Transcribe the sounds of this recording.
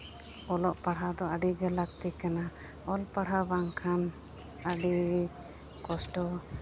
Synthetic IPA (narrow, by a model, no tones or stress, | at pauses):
ɔlɔʔpaɽɦad̪ɔaɖiɡɛlak̚t̪ikana | ɔlpaɽɦabaŋkʰan | aɖi | kɔsʈɔ